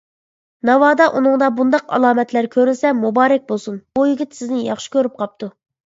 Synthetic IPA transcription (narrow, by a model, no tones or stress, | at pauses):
nɑwɑːd̪ɑʔunɨŋd̪ɑbund̪ɑqɑ̰lˠɑːmɛt̪læɾkʲʰøɾylsɛmubɑːɾɛk̚ʲbolˠsunb̥ujyɡʲit̪sɪznɪjɑ̰χʃi̥kʲøɾyp̚qʰɑp̚t̪ʰu